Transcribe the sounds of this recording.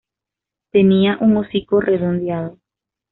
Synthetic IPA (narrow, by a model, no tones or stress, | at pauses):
t̪eniaʔuŋosikorʔeðond̪jaðo